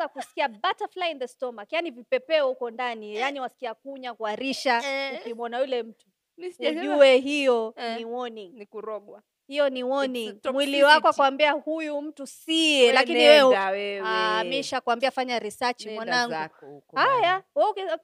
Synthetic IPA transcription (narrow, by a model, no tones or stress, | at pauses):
akusi̥kiabataflainðɛstɔmakjanivipɛpɛhukɔndanijaniwasi̥kiakuɲakuaɾiʃaukimɔnajulɛm̩tu | ʄuwɛɦijɔniwɔniŋnuɾɔɡa | hijɔniwɔniŋmwiliwakɔakuwambiahujum̩tusiɛlakiniwɛuwɛamiʃakuambiafaɲaɾisat͡ʃimwanaŋɡukhajawɛk